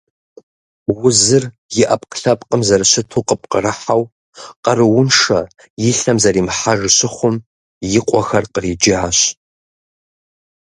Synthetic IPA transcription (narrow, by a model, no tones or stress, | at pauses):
wʊzɨr | jɪʔɐpʼqɬɐpʼqʼəmzɐrɨɕɪtʰuːqəp̚ʼqərɨħaw | qɐrɨwʊnʂɐ | jɪɬɐmzɐriːmħaʒɕɪχʷʊm | jɪqʷʼɔxɐrqəriːd͡ʒɪʕaɕ